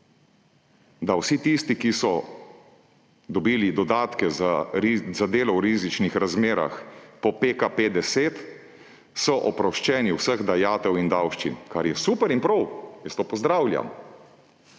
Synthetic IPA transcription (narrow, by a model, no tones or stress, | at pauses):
d̪awsit̪ist̪ikisɔ | d̪ɔbiːlid̪ɔd̪aːt̪kɛzazad̪eːlɔwɾiːzit͡ʃnixɾazmeːɾa̰xpɔpeːkaped̪ɛseːt̪ | sɔʔɔpɾɔʃt͡ʃɛːniwsəɣd̪ajaːt̪ɛwind̪awʃt͡ʃḭnkaɾjɛsuːpəɾinpɾɔwjəst̪oːpɔzd̪ɾaːwlʲja̰m